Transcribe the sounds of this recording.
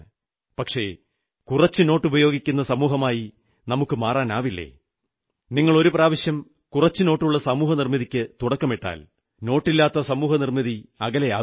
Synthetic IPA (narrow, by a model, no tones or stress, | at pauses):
pɐkʂe̞ | kurɐt͡ɕːɨno̞ːʈːubɐjo̞ːɡikʲːunːɐsɐmuːɦɐmaːji | nɐmukːɨmaːraːnaːʋilːḛ | niŋːɐɭo̞ɾupraːʋɐɕjɐm | kurɐt͡ɕːɨno̞ːʈːuɭːɐsɐmuːɦɐnirmiðikʲːɨt̪uɽɐkːɐmeʈːa̰ːl | no̞ːʈːilːaːt̪ːɐsɐmuːɦɐnirmiðiɐɣɐlejaː